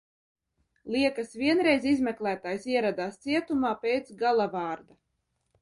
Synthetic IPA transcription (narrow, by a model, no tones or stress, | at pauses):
lˠiɛkɐsvʲiɛnɾɛjzizmʲɛklˠæːt̪aːjsiɛɾad̪aːst̪siɛt̪umaːpʲejt̪sɡalˠavɑːɾd̪a